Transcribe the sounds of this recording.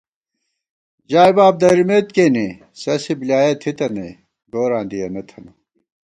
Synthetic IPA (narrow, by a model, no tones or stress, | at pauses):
d͡ʑaːibaːb̚d̪ɐɾimet̪keːni | sɐsibljaːjet̪ʰit̪ɐnḛ | ɡoːɾãːnd̪ijɐnɐt̪ʰɐnu